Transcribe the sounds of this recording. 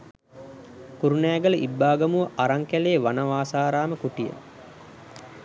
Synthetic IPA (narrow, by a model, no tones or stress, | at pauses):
kuɾunæːɡələʔibːaːɡɐmuʋəʔaɾaŋkæleːʋanɐʋaːsaːɾaːməkuʈijə̰